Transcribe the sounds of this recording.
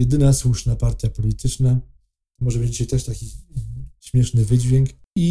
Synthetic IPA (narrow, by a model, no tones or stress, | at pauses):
jɛd̪ɘnaswuʂnapaɾt̪ʲjapɔlʲit̪ʰɘt͡ʂna | t̪ɔmɔʐɛmed͡ʑiɕet̪ɛʂt̪akʲi | ɕmʲjɛʂnɘvɘd͡ʑvʲjɛŋk | i